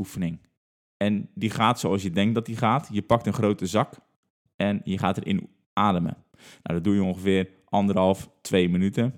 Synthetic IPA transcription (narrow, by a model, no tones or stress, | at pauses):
ufənɪŋ | ɛndiχaːtsoɑlˠsjədɛŋk̚dɔt̚iχaːtjəpɑk̚tənχrowtəzɑk | ɛnjəχaːtərʔɪ̰n | aːdəmə̰ | na̰wdɔt̚dujəõnχəfɪər | ʔɑndərɦɑlˠftʰʋeːmənytə